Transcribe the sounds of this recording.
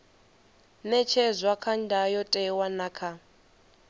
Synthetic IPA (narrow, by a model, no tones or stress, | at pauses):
nɛt͡ʃʰɛzʷakʰandʱajɔtʼɛwanakʰa